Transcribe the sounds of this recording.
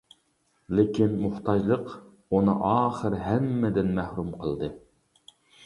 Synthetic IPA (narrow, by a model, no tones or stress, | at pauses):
lɪkʲinmuht̪ʰɑd͡ʒlˠəq | unɨʔɑːχəɾɦɛmːɪd̪ɪnmæhɾumqʰəlˠd̪ɨ